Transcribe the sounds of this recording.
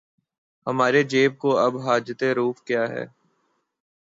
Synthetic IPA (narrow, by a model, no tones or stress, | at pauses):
həmaːɾed͡ʒeːb̚koɐbɦaːd͡ʒət̪eɾuːfkjaːɦɛ̰ː